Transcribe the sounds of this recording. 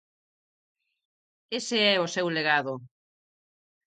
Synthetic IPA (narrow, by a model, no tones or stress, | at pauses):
eseɛʊsewleɣaðo